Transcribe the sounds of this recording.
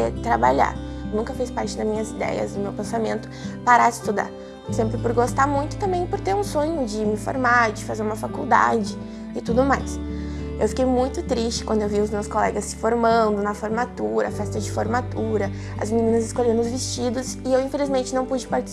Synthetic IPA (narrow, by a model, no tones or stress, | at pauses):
et̪ɾabaʎa̰ɾnũŋkɐfespaɾt͡ʃɪd̪ɐzmĩɲɐzid̪ɛ̰jɐ̰zd̪ʊmewpẽsamẽnt̪ʊ̥paɾaɪ̥ist̪ud̪a̰ɾ | sẽmpɾɪpoɾɡost̪aɾmũj̃t̪ʊ̥t̪ɐ̃mbẽj̃poɾt̪eɾũsõɲʊd͡ʒɪmɪfo̰ɾmaɾd͡ʒɪfazeɾũmɐfakuwd̪a̰d͡ʒɪ | ɪt̪ud̪ʊmajs | ḛwfi̥kejmũj̃t̪ʊt̪ɾist͡ʃɪ̥kwɐ̃nd̪ʊewviʊzmewskolɛɡɐsːɪ̥foɾmɐ̃nd̪ʊnɐfoɾmat̪uɾɐfɛst̪ɐd͡ʒɪfoɾmat̪uɾɐ | ɐ̰zminĩnɐzɪskoʎẽnd̪ʊzvɪst͡ʃid̪ʊsɪewĩfelizmẽnt͡ʃɪnɐ̃w̃pud͡ʒɪpaɾt͡ʃɪ